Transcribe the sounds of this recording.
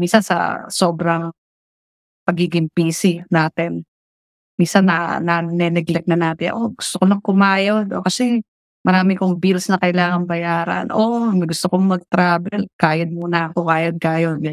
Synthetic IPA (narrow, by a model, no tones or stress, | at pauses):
miːsɐnsɐ̰so̞ːbɾɐŋ | pɐɡiːɡɪŋpiːsɪnaːt̪ɪn | miːsɐnːɐnɐnɛnɛɡlɛk̚nɐnaːt̪ɪnʔo̞ɡʊst̪okolɐŋkʊmaːjod̪ʔokɐsɛ | mɐɾaːmɪkʊŋbilsnɐkɐʔɪlaːŋɐŋbɐjaːɾɐ̰nʔomɐɡʊst̪okoŋmɐɡ̚t̪ɾaːbɛlkaːjɐd̪̚muːnɐkʊmaːjɐd̪̚kaːjon